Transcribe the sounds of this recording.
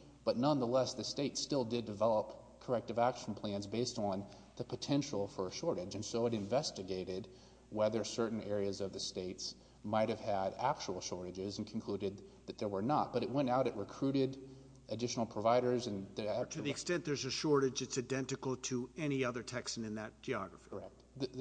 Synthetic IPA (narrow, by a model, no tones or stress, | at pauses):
b̥ʌtⁿnʌ̃nðəlɛsðɨsteɪtstɪlˠdɨdɨvɛlˠəp | kʰə˞ɛk̚tɨvækʃn̩pʰl̥æ̃nzbeɪstn̩ | ðɨpʰɨtʰɛ̃nʃl̩ˠfə˞ɨʃɔɹɾɨd͡ʒɨ̃nsoʊɨɾɨ̃ɱvɛstɨɡeɪɾɪd̚ | wɛðə˞sɜ˞ʔn̩ɛɹiɨzʌvðɨsteɪts | maɪt̚hɨv̥ɨɾæk̚t͡ʃəl̩ˠʃɔɹɾɨd͡ʒɪz̃n̩kʰn̩kʰl̥uɾɨd̪̚ðɨt̪̚ðə˞wə˞nət̚b̥ʌɾɨt̚wɛ̃ñtaʊɾɨʔ̚ɹɨkʰɹ̥ʉɾɪɾ | ʔɨdɪʃn̩l̩ˠpʰɹ̥əvaɪɾə˞zɨ̃nðtʰɨðiɨkstɛ̃nðə˞zɨʃɔɹɾɨd͡ʒɨtsaɪdɛ̃ntɨkl̩ˠtʰɨɛñiʌðə˞tʰɛksnɨ̃nðɨt̚d̥ʒ̥iɑɡɹəfiə˞ɛk̚t̚